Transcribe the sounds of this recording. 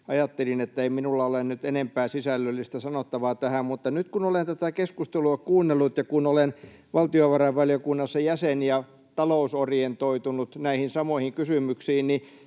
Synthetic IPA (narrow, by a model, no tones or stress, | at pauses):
ɑjɑt̪ːelinet̪ːæeiminulːɑolennyt̪enempæːsisælːølːist̪æsɑnot̪ːɑʋɑːt̪æhæmmut̪ːɑnyt̪kunolent̪æt̪ækeskust̪eluɑkuːnːelːut̪jɑkunolen | ʋɑlt̪ioʋɑrɑʋʋɑljokunːɑsːɑjæsenjɑ | t̪ɑlousorjent̪oit̪unut̪næihinsɑmoihiŋkysymyksiːnni